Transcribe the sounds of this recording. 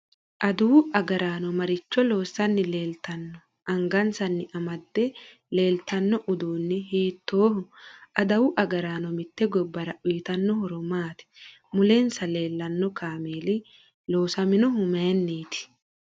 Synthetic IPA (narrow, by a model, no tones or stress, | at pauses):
ʔɐd̪ʊwɐɡɐɾaːnɔmɐɾɪt͡ʃːɔlo̞ːsːɐnːɪle̞ːlt̪ɐnːɔ | ʔɐŋɡɐnsɐnːɪʔɐmɐd̪ːɛ | le̞ːlt̪ɐnːɔʔʊd̪uːnːɪɦiːt̪ːoːhʊʔɐd̪ɐwʊʔɐɡɐɾaːnɔmɪt̪ːɛɡɔbːɐɾɐʔʊjɪt̪ɐnːɔhɔɾɔmaːt̪ɪ̥ | mʊleːnsɐle̞ːlːɐnːɔkʰaːmeːlɪ | loːsɐmɪnɔɦʊmɐnːiːt̪ɪ̥